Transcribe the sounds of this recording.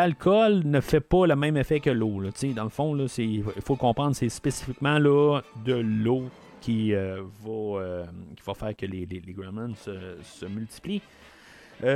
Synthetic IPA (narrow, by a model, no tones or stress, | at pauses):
alkʰɔlnəfɛpɔləmɛ̃mefɛkəlolɔt̪t͡sed̪ɑ̃ləfɔ̃lɔseifokɔ̃pʁɑ̃d̪ʁsespesi̥fikmɑ̃lɔd̪əlo | kʲʰiøvʌøkʲi̥vɐfæːʁkʲəleleleɡamɛ̃nsəsəmylt̪i̥pli